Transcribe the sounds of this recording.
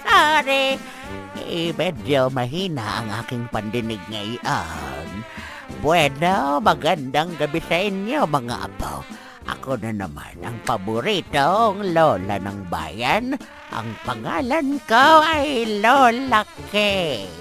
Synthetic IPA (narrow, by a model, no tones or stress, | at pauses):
saɾɪ | mɛd͡ʒomɐɦinaʔaŋʔaːkɪŋpand̪ɪnɪɡ̚ŋaɪʔan | bwɛd̪omɐɡand̪aŋɡɐbɪsaʔɪnjomɐŋa̰ʔa̰ba̰w | ʔɐ̰konana̰ma̰nʔɐ̰ŋpabʊɾit̪oŋloːla̰naŋba̰ːjan | ʔa̰ŋpaŋaːlankawajlolakɪ